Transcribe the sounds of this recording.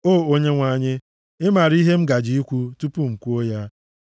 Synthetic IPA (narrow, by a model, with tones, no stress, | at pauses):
oː˦˨o˦ɲe˦ŋʷa˨˦˨ɲɪ˦ | ɪ˦ma˨ɾi˦ɦe˦m̩˦ɡa˨d͡ʒi˦i˦kʷu˦tu˦pu˦ŋ͡m̩˨kʷu˦o˦ja˦